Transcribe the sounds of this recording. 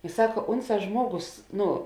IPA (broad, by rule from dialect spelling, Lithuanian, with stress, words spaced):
ɪ ˈsɑːkɐ ˈʊnˌsɑː ˈʒmuɔˌɡoːs ˈnʊ